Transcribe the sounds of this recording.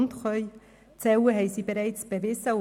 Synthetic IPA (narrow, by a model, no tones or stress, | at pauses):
nt̪χœʏ | t͡sɛwəɦɛjsibəɾɛjt͡sb̥əvɪsə